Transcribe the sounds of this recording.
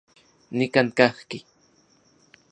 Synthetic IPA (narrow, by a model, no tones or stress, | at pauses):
nɪkaŋkɑχkɪ